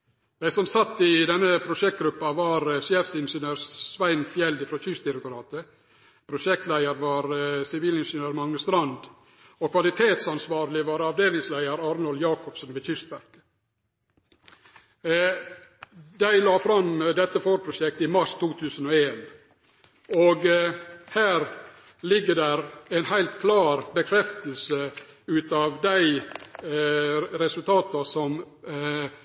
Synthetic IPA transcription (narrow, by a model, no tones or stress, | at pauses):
d̪̥æɪsɔmsɑt̪ːɪd̪ɛnːəpʰɾʊʂɛk̚t̪̚ɡɾʉpːɑʋɑɾʃeːfsɪnʂənøːɾsʋæɪnfjɛld̪ɪfɾoːçʏst̪d̪ɪɾɛkt̪ʊɾɑːt̪ə | pʰɾʊʂɛk̚t̪læɪəɾʋɑːɾsɪʋiːlɪnʂənøːɾmɑŋːəst̪ɾɑnd̪ | ɔkʰʋɑlɪt̪ʰeːt̪sɑnsʋɑːɾlɪʋɑːɾɑʋd̪eːlɪŋslæɪəɾɑːɾnɔljɑːkʰɔpsənʋeːçʏst̪bæɾk | d̪æɪlɑːfɾɑmd̪ɛt̪ːəfoːɾpʰɾʊʂɛk̚t̪ɪmɑʂt̪ʰuːt̪ʰʉːsənɔeːn | ɔɡhæːɾ | lɪɡːəd̪æɾæɪnhæɪlt̪kʰlɑːɾbəkʰɾɛft̪əlsə | ʉːt̪ɑʋd̪æɪ | ɾɛsʉlt̪ʰɑːt̪ɑsɔm